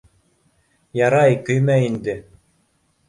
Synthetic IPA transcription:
jɑɾɑjkɵ̆jmæind̪ɘ

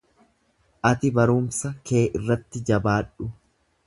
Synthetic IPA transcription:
ʔɐt̪ɪbɐɾuːmsɐke̞ːʔɪrːɐt̪ːɪd͡ʒɐbaːᶑʊ

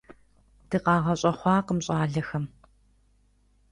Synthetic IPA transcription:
d̥ɨqɑːʁɐɕʼɐχʷɑːqəmɕʼɑːɮɐxɐm

